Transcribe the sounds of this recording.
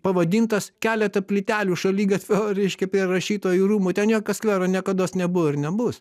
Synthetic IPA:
pɐʋɐd̪ʲiːnt̪ɐskʲæːlʲɛt̪ɐpʲlʲɪt̪ʲæːlʲuːʃɐlʲiːɡɐt̪ʲʋʲoːɾʲɛɪʃʲkʲɛpʲɾʲɪrɐʃʲiːt̪oːjiɾuːmʊːt̪ʲɛnjoːkʲoːskʋʲɛːɾɐnʲiɛkɐd̪oːsnʲɛbʊɪɾnʲɛbʊs

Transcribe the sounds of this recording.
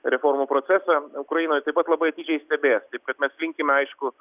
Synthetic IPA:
ɾʲɛfoːrmupɾoːt͡s̪ʲæsɑʊkɾɐjinoːjt̪ɐɪpɐt̪lˠɐbɐɪɐt̪ʲiːd͡ʒʲɛɪsʲt̪ʲɛbʲeːst̪ɐɪp̚kɐt̪mʲɛslʲɪŋʲkʲɪmʲɐɪʃkʊ

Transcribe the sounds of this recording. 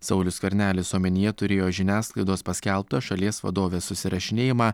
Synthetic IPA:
sɐʊlʲʊskʲɐɾʲnʲæːlʲɪsoːmʲɛnʲɪjɛt̪ʊɾʲeːjoːʒʲɪnʲæːsklˠɐɪd̪oːspɐsʲkʲælʲˠp̚t̪ɐʃɐlʲiɛsʋɐ̰d̪oːʋʲeːsʊsʲɪɾɐʃʲɪnʲeːjɪmɑː

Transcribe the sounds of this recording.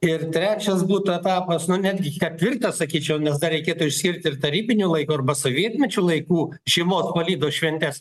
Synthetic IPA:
ɪrt̪ʲɾʲæːt͡ʃʲɛsbuːt̪ʊɛt̪ɑːpɐsnʊnʲæːd̪ʲɡʲɪkʲɐt̪ʲʋʲɪrt̪ɐssɐkʲiːt͡ʃʲɛʊnʲɛsd̪ɐrʲɛɪkʲeːt̪ʊɪʃʲsʲkʲɪrʲt̪ʲɪrt̪ɐɾʲiːbʲɪnʲuːlˠɐɪkuːɐrbɐsoːʋʲiɛt̪ʲmʲɛt͡ʃʲuːlˠɐɪkuː | ʒʲimoːspɐlʲiːd̪oːʃʲʋʲɛnʲt̪ʲɛs

